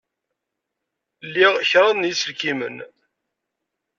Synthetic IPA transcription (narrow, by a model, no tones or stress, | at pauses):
lːiʁçɾˤɑðnjisəlkimə̰n